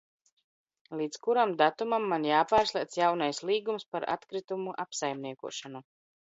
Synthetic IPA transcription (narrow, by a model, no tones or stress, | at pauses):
lˠiːt̪skuɾamd̪at̪umamːanjaːpaːɾslˠiɛt̪sjawnajslˠiːɡumspaɾa̰t̪kɾit̪umuʔapsajmniɛkṵɔʃanu